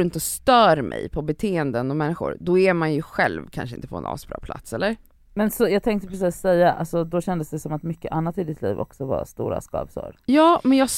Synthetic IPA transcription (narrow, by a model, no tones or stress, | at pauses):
ɪnt̪əɔst̪œːɾmʔɛ̰jpʰɔbɛt̪ʰeːɛnd̪ənɔmɛnːɪɧʊ̰ɾd̪ɔɛɾmanjɵɧɛlvkʰanʂəɪ̰nt̪əpʰɔɛ̰nɑ̰ːsbɾɑ̰ːpʰla̰t̪sɛlːəɾ | mɛnsɔjɑːɡ̚t̪ʰɛŋk̚t̪əpʰɾɛs̬iːsːɛjːaʔa̰lsɔd̪ɔɕɛnd̪əsd̪ɛsɔmat̪mʏkːəʔanːat̪ɪd̪ɪt̪ʰlḭːvɔ̰ksɔva̰st̪uːɾa̰skɑ̰ːvsʊ̰ɾjɑːmɛnjɑː